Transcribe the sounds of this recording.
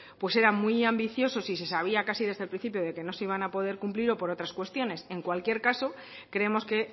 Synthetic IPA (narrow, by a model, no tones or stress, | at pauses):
pwe̞se̞ɾamwiambiθjo̞so̞sise̞saβ̞iakasiðe̞zðe̞lpɾin̟θipjoð̞e̞ke̞no̞seiβanapo̞ð̞e̞ɾkumpliɾo̞po̞ɾot̪ɾaskwe̞st̪jo̞ne̞se̞ŋkwalkje̞ɾkaso̞ | kɾe̞emo̞ske̞